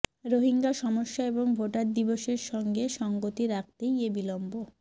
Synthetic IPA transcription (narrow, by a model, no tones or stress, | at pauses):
ɾoɦiŋɡaʃɔmoʃːaeboŋbʱoʈaɾd̪iboʃeɾʃɔŋɡeʃɔŋɡot̪iɾak̚ʰt̪ejebilombo